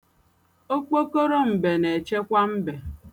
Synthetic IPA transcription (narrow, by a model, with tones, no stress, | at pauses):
o˦k͡po˦ko˦ɾo˦m̩˨be˨ne˨t͡ʃe˦kʷa˦m̩˦be˨